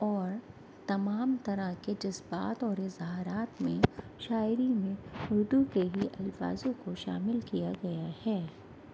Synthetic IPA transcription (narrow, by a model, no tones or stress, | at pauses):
ɔːɾ | t̪ɐmaːmt̪ɐɾəɦked͡ʒɐsba̰ːt̪ɔːɾɪzɦaɾaːt̪mẽʃaːɪɾimẽɦʊɾd̪ukeɦiʔɐlfa̰ːzõkoʃa̰ːmɪlkijaɡɐjahɛː